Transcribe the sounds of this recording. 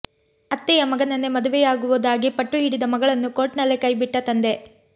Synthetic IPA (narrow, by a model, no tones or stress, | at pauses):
ɐt̪ːɛjɐmɐɡɐnɐnːemɐd̪uʋɛjaːɡuʋud̪aːɡipɐʈːuiːɽid̪ɐmɐɡɐɭɐnːukoːʈnɐlːekɐjbiʈːɐt̪ɐnd̪e̞